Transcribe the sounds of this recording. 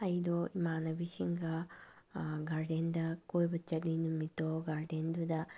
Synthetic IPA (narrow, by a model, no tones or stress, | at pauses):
ɐjd̪oimaːnɐbisiŋɡɐ | ɡaɾɖend̪ɐkojbɐt͡ʃɐtlinumːit̪oɡaɾɖend̪ud̪ɐ